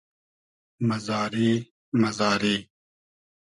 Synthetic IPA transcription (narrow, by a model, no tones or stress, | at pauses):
mɐzaːɾiː | mɐzaːɾiː